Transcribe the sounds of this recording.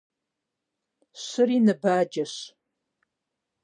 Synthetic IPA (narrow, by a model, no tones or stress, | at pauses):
ɕɨriːnɨbaːd͡ʒɐɕ